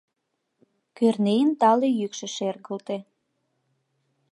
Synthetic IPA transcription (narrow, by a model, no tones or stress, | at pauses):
kørnejənt̪ɑlejykʃĕʃerɣəlt̪e